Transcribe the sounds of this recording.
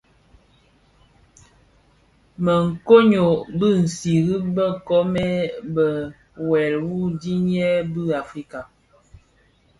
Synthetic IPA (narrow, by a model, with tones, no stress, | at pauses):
mə˨ŋ̩˨ko˦ɲo˨bɨ˦˨n̩˨si˨ɣi˦bə˦kɔ˦mɛ˦bə˨ | wɛ˨lwu˦di˦ɲ˦ɛ˦bɨ˦a˨fɾi˦ka˨